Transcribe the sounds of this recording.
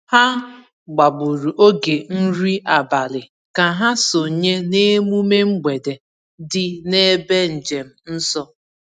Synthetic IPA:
ha˦ | ɡ͡ba˨bu˨ɾu˨ʔo˦ɡe˨n̩˦ɾi˦a˨ba˨lɪ˨ | ka˨ɦa˦so˨ɲe˦ne˦mu˦me˦ŋ͡m̩˦ɡ͡be˨de˨ | dɪ˦ne˦be˦n̩˨d͡ʒe˨m̩˨n̩˦sɔ˦

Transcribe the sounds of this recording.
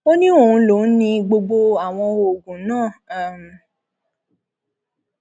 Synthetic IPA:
o˦nĩ˦o˨ũ˧˦lo˨˦˨nĩ˧ɡ͡bo˧ɡ͡bo˧a˨w̃ɔ̃˧o˨ɡũ˨˦nãː˦˨˦m˨

